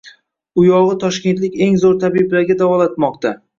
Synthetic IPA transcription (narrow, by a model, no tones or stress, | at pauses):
ʊjɒʁɨt̪ʰɒʃkʲe̞nt̪lɪkʲe̞ŋzoɾt̪ʰabiblaɾɡʲad̪avɒlat̪mɒqt̪ʰa